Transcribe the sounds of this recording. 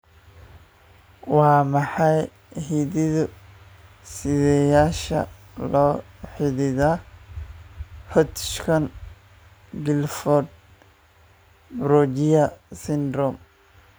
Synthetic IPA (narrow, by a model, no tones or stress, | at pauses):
wɑːmɑħɑj | ɦiðɪðʊ | sɪðɛjaːʃɐ̰ | lɔːħɪðɪða | hɔt̪ʃkʰɐn | ɡɪlfɔd̪̚ | bɾɔd͡ʒɪjɐsɪnd̪ɾɔm